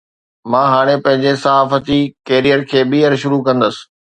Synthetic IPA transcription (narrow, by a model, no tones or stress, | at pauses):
mãːɦaːɽ̃epɐ̃ɦɪ̃ɲd͡ʑesɐɦaːfət̪ikeːɾijəɾkʰeːɓiːəɾʃʊɾukɐ̃nd̪əsɪ̥̆